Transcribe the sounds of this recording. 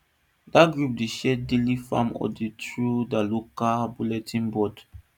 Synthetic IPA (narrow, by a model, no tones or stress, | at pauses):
daɡɹup̚deʃɛdelifãmɔ̰ditɹudalokabulɛtʰĩnbɔd